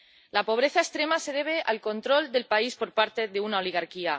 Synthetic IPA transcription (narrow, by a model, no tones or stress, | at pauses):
lapo̞β̞ɾe̞θaest̪ɾe̞mase̞ð̞e̞β̞e̞ʔalko̞nt̪ɾo̞ld̪e̞lpaispo̞ɾpaɾt̪e̞ðeunao̞liɣ̞aɾkia